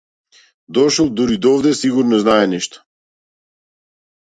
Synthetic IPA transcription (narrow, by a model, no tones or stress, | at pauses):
d̪ɔʃɔlˠd̪uɾid̪ɔvd̪ɛsiɡuɾnɔznaɛnɛʃt̪ɔ̥